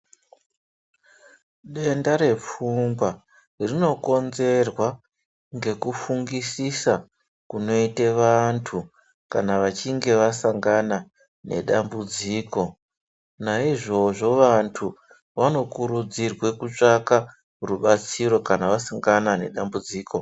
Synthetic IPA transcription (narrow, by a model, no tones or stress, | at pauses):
ɗe̞ndaɾe̞p͡fuŋɡwa | rino̞ko̞nze̞rwa | ŋɡe̞kufuŋɡisisa | kuno̞iteʋantʰu | kanaʋat͡ʃiŋɡe̞ʋasaŋɡana | ne̞̰ɗambud͡ziːko̞ | naiʐo̞ʐo̞ʋantʰu | ʋano̞kuɾud͡zirwe̞kut͡ʂaka | ruɓat͡siɾo̞kanaʋasaŋɡanane̞ɗambud͡ziːko̞